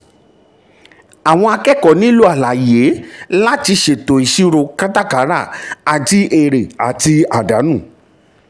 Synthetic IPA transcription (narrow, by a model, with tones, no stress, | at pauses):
a˨w̃ɔ̃˧a˧kɛ˦kɔ˨nĩ˦lu˦a˦˨la˨je˨˦la˦ti˧ʃe˨to˨i˨ʃi˦ɾo˧ka˦ta˦ka˨˦ɾa˦˨a˨d͡ʒi˦ʔe˧˨ɾe˨a˨ti˧a˨da˨˦nũ˦˨